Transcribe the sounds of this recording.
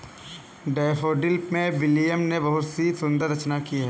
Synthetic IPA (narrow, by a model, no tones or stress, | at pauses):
ɖɛːfoːɖɪlpmẽbɪlijəmnebɐɦʊt̪sisʊ̃nd̪əɾɐt͡ʃnakiɦɛː